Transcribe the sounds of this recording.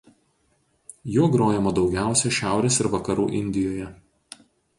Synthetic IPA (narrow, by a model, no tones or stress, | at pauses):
juɔɡɾoːjɛmɐd̪ɒʊɡʲæˑʊsʲɛʃʲæˑʊɾʲeːsɪɾʋɐkɐɾuːʔɪnʲd̪ʲɪjoːjɛ